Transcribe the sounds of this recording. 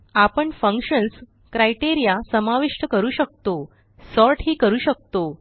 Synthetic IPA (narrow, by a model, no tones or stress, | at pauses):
apəɳfə̃ŋkɕəns | kɾajʈiɾijasəmaʋiʂʈəkəɾuːɕək̚t̪o | sɔɾʈɦiːkəɾuːɕək̚t̪o